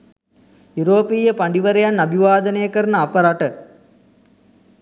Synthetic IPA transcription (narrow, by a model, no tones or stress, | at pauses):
juɾoːpijəpɐɳɖiʋɐɾejanɐbʱiʋaːd̪ɐnejɐkɐɾnəapɐɾaʈə